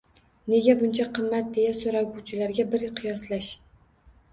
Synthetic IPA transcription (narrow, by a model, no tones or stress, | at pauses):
ne̞ɡʲabʊnt͡ʃʰaqʰɨmːat̪̚d̪e̞jasoɾaɡuwt͡ʃʰɪlaɾɡʲabɪɾqʰɨjɒslaʃ